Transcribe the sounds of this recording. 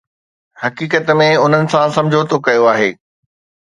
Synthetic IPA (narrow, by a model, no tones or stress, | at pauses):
hɐkiːkət̪mẽʊn̤ənɪ̆sãsɐ̃md͡ʑʱot̪ʰokɐjoaːɦeː